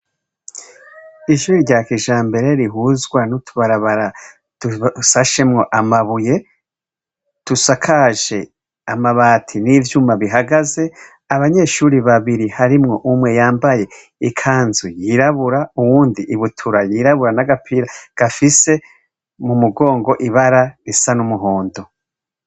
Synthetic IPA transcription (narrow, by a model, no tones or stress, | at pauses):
iʃuːɾiɾɟaːkiʒaːmbe̞ɾe̞ɾiɦuzɡwanutʰuβaɾaβaɾa | d̥usaʃe̞mŋo̞ʔamaβuje̞ | tusakʰaʒe̞ | amaβaːtʰinivjuːmaβiɦaɡaze̞ | aβaɲe̞ʃuːɾiβaβiɾihaɾimŋo̞ʔumwe̞jaːmbaje̞ | ikʰaːnzujiɾaβuɾauwuːndiʔːβutʰuɾajiɾaβuɾanaɡapʰiɾaɡ̥afise̞ | mumuɡo̞ːŋɡo̞ʔiβaɾaɾisanumuɦoːndo